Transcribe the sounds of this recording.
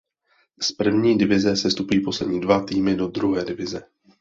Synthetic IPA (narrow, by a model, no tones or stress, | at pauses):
spr̩vɲiːdɪvɪzɛsɛst̪upiːpo̞slɛdɲiːdvat̪iːmɪdo̞d̪ɾuɦɛːdɪvɪzɛ